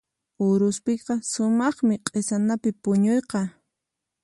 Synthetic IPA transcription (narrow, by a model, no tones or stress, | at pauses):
ʊɾʊspɪqɑsʊmɑχmɪqʼesanapɪpʊɲojqɑ